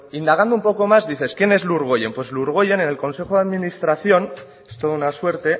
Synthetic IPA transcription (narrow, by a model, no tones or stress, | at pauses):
ind̪aɣ̞and̪oumpo̞ko̞mazðiθe̞skje̞ne̞zluɾɣ̞oje̞mpwezluɾɣ̞oje̞ne̞ne̞lko̞nse̞xoðaðminist̪ɾaθjo̞n | e̥st̪o̞ðounaswe̞ɾt̪e̞